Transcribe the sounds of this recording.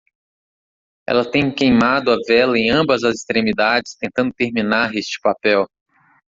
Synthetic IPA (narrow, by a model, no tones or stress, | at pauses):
ɛ̰lɐt̪ẽj̃kejmad̪ʊɐvɛlɐẽj̃ɐ̃mbɐzɐzɪst̪ɾẽmid̪ad͡ʒɪst̪ẽnt̪ɐ̃d̪ʊt̪eɾmĩnaɾest͡ʃɪ̥papɛw